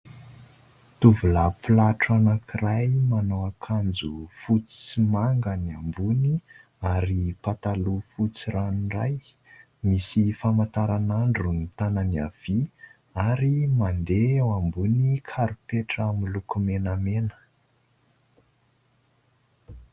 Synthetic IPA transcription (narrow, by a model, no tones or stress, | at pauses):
t̪uvulapulaʈ͡ʂanakirajmanoakʰand͡zufut͡simaŋɡaniambuni | aɾipat̪alufut͡siɾanira̰j | misifamant̪aɾanaɳɖ͡ʐunit̪ananiav̥i | aɾimand̪eawambunikʰaɾupeʈ͡ʂamilukumenamenə̥